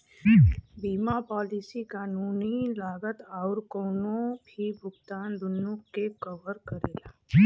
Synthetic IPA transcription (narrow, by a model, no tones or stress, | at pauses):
biːmapɔːlisikaːnuːnilaːɡət̪aːʊɾkoːnõbʱibʱʊɡt̪aːnd̪ʊnːʊkːekɐʋəɾkəɾeːlaː